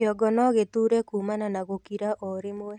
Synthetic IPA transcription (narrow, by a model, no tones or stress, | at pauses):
ɔɡɔnɔɣet̪uɾɛkumananaɣokiɾaʔoɾɪmwɛ